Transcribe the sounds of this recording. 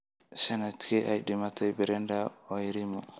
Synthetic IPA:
sɛnat̪kɛʔajdimat̪ajbɛɾɛndaɔjɾimɔ

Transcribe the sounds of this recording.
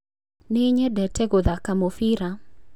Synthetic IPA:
nɪɲɛdɛtɛɡoðakamofiɾa

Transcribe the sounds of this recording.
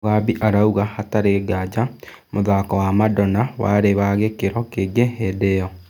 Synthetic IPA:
ɣabiʔaɾauɣahataɾeːɡad͡ʒa | moðaːkɔwamadɔnawa̰ɾeβaɣekeɾɔkeɡɛɦɛdɛɔ

